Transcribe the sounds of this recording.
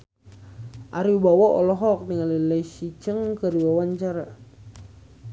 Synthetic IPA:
ʔaɾiubawaʔɔlɔɦɔk̚niŋalələsit͡ʃəŋkəɾiwawaɲt͡ʃaɾa

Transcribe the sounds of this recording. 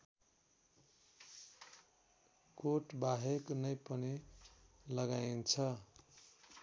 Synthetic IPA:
koʈbaɦeknʌjpʌni | lʌɡaint͡sʰʌ

